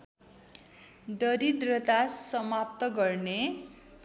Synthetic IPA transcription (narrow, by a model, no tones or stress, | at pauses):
d̪ʌɾid̪rʌt̪asʌmap̚t̪ʌɡʌrne